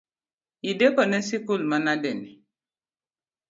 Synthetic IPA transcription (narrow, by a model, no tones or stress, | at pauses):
idepənesikulmanadɛni